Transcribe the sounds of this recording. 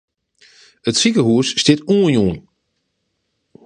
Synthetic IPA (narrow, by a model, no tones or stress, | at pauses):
ətsikəɦuəsːtɪtuənjuːən